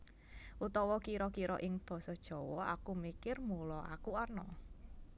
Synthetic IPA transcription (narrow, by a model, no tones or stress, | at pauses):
ʔut̪ɔwɔkiɾɔkiɾɔ̰ʔɪŋb̥ɔ̤sɔd̥ʒ̥ɔ̤wɔa̰kumikɪrmulɔa̰kuɔnɔ